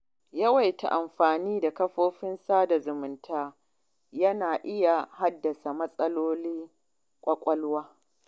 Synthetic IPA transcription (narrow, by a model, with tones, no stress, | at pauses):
jɐ˦wa˨jta̰˨ʔa˨mɸaː˨niː˦da˨kɐ˦ɸoː˦ɸɪ˦nsaː˦da˨zʊ˨mʊ˨ntʰaː˦ | jɐ˦naː˨ʔɪ˦ja˨ha˦dːɐ˨sa˨mɐ˦sʼɐ˦loː˦liː˦ | kʷʼɐ˦kʷʼɐ˦lwaː˦